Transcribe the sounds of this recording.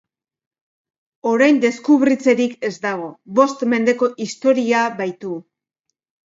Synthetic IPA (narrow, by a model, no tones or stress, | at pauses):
o̞ɾajnd̪e̞skuβɾit͡se̞ɾike̞zd̪aɣ̞o̞βo̞st̪me̞nd̪e̞ko̞ʔist̪o̞ɾiaβajt̪u